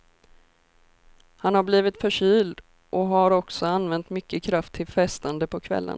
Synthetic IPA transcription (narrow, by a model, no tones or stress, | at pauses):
hanhaɾbliːvɪt̪fœʂyːld̪ | ʔɔɦaɾɔksɔanvɛnt̪mʏkːəkʰɾaft̪ʰːɪlfɛst̪and̪əpʰɔkʰvɛ̰lːə̰n